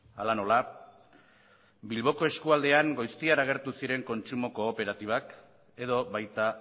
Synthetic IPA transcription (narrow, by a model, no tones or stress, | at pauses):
alano̞la | bilβ̞o̞ko̞e̞skuald̪e̞aŋɡo̞jst̪iaɾaɣe̞ɾt̪usiɾe̞ŋko̞nt͡ʃumo̞ko̞ːpe̞ɾat̪iβ̞ak | e̞ðo̞βajt̪a